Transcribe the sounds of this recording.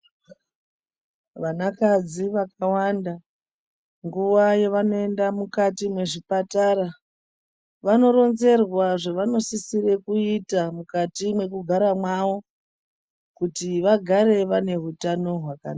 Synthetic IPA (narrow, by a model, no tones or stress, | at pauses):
ʋanakad͡ziʋakawanda | ŋɡuʋajeʋano̞e̞ndamukatimwe̞ʐipataɾa | ʋano̞ɾo̞nze̞rwaʐeʋano̞sisire̞kuitamukatimwe̞kuɡʱaɾamwaʋo̞ | kutiʋaɡʱaɾe̞ʋane̞ɦutano̞ɦwakana